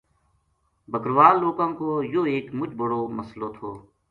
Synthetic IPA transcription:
bʱəkɾʋaːlːoːkãːkoːjoːeːkmʊt͡ʃbəɽoːməsloːt̪ʰoː

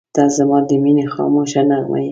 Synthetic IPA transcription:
d̪̥ɑzamɑd̪əminexɑ̰moʃanama̰j

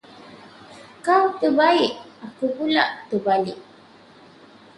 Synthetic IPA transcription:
kawt̪əbaiʔakupula̰ʔt̪əbaliʔ

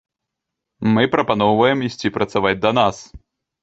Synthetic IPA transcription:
mɨpɾɐpanɔwvɐjɛmisʲtʲipɾɐt̪savad͡zʲd̪ɐnas

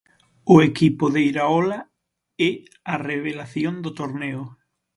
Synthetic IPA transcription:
ʊekipʊðejɾaola | ɛ | areβelaθjond̪ʊt̪oɾneʊ

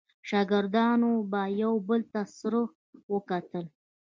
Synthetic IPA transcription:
ʃɑɡəɾd̪ɑnobajawbəlt̪asɾo | wəkat̪əl

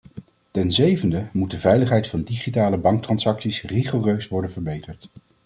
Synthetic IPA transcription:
tɛnzejvəndəmud̚dəvɛjləχɦɛjtfɑndiχitaːləbɑŋk̚trɑnsɑksisriχoːrøɥsʋɔɹdənvəɹbejtəɹt

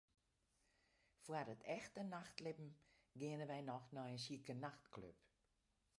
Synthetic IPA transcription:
fuərdətʰɛxtənaxtlɪpm̩ɡiənəʋɛjnɔxnɔənsiəkənaxtklø̰p

